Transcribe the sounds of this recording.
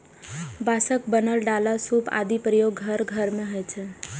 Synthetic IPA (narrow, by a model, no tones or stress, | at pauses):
basək̚bənəlɖalasupa̰d̪ipɾəjoɡːʱəɾɡʱəɾmẽɦɔjt͡ʃʰe